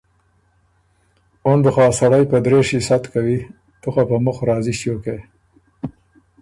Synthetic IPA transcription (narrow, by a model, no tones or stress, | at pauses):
ond̪əxɑsaɽajpəd̪ɾeʃisat̪kawi | t̪uxapəmʊxɾɑːziʃjoke